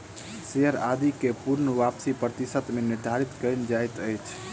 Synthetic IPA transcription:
seɦəɾa̰d̪ikepuɾnəʋapsipɾət̪isət̪meniɾɖ̪ʱaɾit̪kəɪnd͡ʒajt̪əjt͡ʃʰ

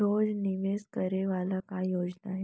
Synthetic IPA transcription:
od͡zniʋeskəɾeʋalakajod͡znaɦe

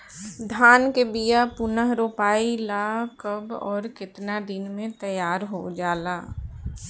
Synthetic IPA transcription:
d̪ʱaːnkebijapʊnəɦɾoːpaːilaːkəbɔːɾkɪt̪nad̪ɪnmẽt̪əjaːɾɦod͡ʒaːlaː

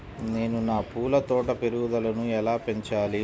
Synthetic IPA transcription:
ne̞ːnunaːpuːlɐt̪ɔːʈɐpeɾud̪ɐlɐnuɛlaːpe̞ɲt͡ʃaːli

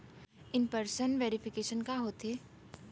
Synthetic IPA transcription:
ɪnpəɾsənʋeːɾɪfɪkeːʃənkaɦoːt̪eː

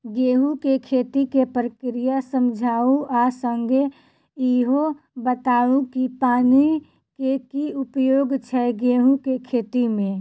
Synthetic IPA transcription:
ɡeːɦukekʰeːt̪ikepɾəkɾijasə̃md͡ʒʱaːũʔasəŋɡʱe | iɦo | bət̪aːũkipaːni | kekiʊpjoːɡt͡ʃʰɛɡeːɦũkekʰeːt̪imẽ

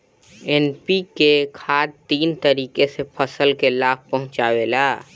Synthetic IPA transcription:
ɛnpikekʰaːd̪̚t̪iːnt̪əɾiːkesepʰəsəlkelaːb̚pɐɦʊ̃t͡ʃaːweːlaː

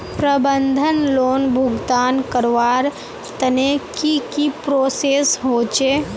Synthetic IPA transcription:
pɾəbənd̪ʱənloːnbʱʊɡt̪aːnkəɾʋaːɾ | t̪ənekikipɾoːseːsɦoːt͡ʃe

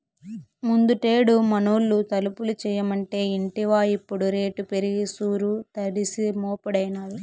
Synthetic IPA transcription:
mund̪uʈe̞ːɽumɐnoːlːut̪ɐlupulut͡ʃɛːjɐmɐɳʈe̞ːiɳʈiʋaːipːuɽuɾe̞ːʈupeɾiɡisuːɾut̪ɐɽisimoːpɐɽɐjnaːɾu

